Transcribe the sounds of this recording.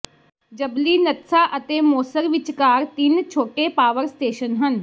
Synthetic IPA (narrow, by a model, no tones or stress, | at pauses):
d͡ʒəbliːnət̪saːʔət̪eːmoːsəɾʋɪt͡ʃkaːɾt̪ɪnt͡ʃʰoːʈeːpaːʋəɾsʈeːʃənɦən